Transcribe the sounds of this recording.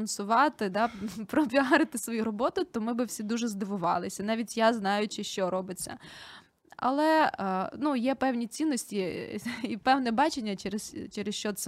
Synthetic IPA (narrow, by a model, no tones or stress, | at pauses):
nsʊʋɑt̪ɪd̪ɑpɾɔpʲiɦɑɾɪt̪ɪsʋɔjuɾɔbɔt̪ʊt̪ɔmɪbɪwsʲid̪uʒɛzd̪ɪʋʊʋɑ̰lˠɪsʲɐnɑʋʲitʲjaznɑjʊt͡ʃɪʃt͡ʃɔɾɔbɪt͡sʲːɐ̰ | ɐ̰lˠɛnujɛpɛwnʲit͡sʲinːɔsʲtʲiipɛwnɛbɑt͡ʃenʲːɐt͡ʃɛɾɪst͡ʃɛɾɪsʃt͡ʃɔt̪sɛ